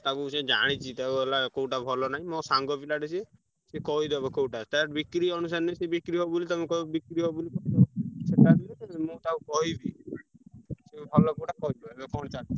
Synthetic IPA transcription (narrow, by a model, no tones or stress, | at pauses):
t̪akũsed͡ʒa̰ɽ̃it͡ʃʰit̪auɔlakowʈabʱɔlɔnaɦĩmɔ̃saŋɡɔpilaʈisie | sekɔɦid̪ɔbɔkowʈat̪aɾbikɾiɔnus̬aɾnesebikɾiɦɔbolit̪amũkɔɔbikɾiɦɔbulikɔtɔt͡ʃʰeʈad̪imũt̪aũkɔɦibi | sebʱɔlɔkowʈakɔɦidkɔɽ̃t͡ʃaɽit͡ʃʰi